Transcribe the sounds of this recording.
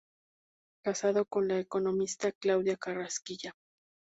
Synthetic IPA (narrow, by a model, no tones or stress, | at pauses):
kasaðokonlaekonomist̪aklawðjakaraskiʎa